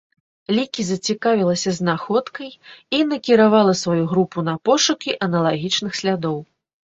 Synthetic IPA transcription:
lʲikʲizɐt͡sʲikavʲilˠɐsʲɐznaxɔt̪kɐjinɐkʲiɾavalˠɐsvajuɣɾupunɐpɔʂukʲiʔɐnɐlˠaɣʲit͡ʂnɨxsʲlʲad̪ɔw

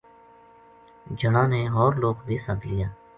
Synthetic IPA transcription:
d͡ʒəɽãːneɔːɾloːɡbʱisəd̪lijaː

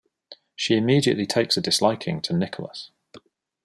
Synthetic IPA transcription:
ʃiɪmiːdiə̰ʔlitʰeɪksədɪslaɪkʰɪ̰̃ŋtʰənɪkʰələ̰s

